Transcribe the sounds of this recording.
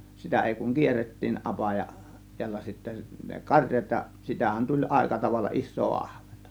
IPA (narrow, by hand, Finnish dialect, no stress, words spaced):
sitæ eˑi kuŋ kierːetːiːn ʔɑpɑjɑ tiælːæ sitːæ ne kɑrʲjɑt jɑ sitæhæn tulʲ ʔɑˑe̝kɑ tɑʋɑlːɑ ʔisˑoː ɑhʋ̥e̥n̥tɑ̥